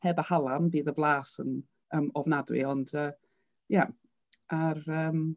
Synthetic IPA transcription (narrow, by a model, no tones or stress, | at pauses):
hɛːbəhalˠanbiːðəvlˠaːsən | əːmɔvnadwɨ̰ɔndəː | ja | ʔarəːm